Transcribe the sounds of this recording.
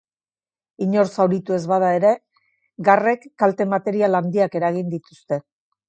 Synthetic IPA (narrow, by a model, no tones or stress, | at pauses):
iɲo̞ɾsawɾit̪ue̞zβað̞ae̞ɾe̞ | ɡare̞kːalt̪e̞mat̪e̞ɾialand̪iake̞ɾaɣ̞ind̪it̪ust̪e̞